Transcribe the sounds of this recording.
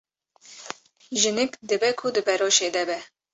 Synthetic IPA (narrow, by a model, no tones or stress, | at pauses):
ʒɨnɨkd̪ɨbɛkʰʊd̪ɨpʰɛɾoːʃeːd̪ɛbɛ